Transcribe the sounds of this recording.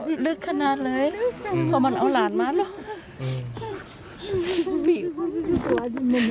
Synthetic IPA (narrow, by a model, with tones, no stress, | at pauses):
lɯ˦˥kʰːa˧naː˧t̪̚lɤː˧˥˨jpʰɔ˧˩ma˧˨nʔa˧˩wlaː˨˦nmaː˧˥lɔ˧˩ | mi˧˩˧ | mɛ˧˩n